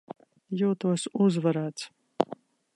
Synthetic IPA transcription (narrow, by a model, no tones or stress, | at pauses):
juwt̪ʰuɔsuzvɐɾaːt͡s